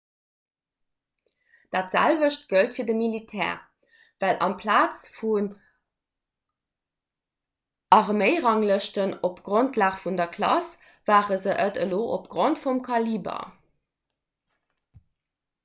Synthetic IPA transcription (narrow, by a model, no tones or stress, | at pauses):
d̥aːtz̥æ̰lvəɕt̚ɡ̥əltfiːɐdəmilitʰɛ̰ːʁ | v̥ælʔɑ̰mpʰlaːt͡sfun | ʔɑʁməɪʁɑŋləʃtənopɡ̥ʁontʰlaːχfundɐkʰlɑs | vaːʁəzəʔətəloːʔopɡ̥ʁontfumkʰɑliːbɐ̰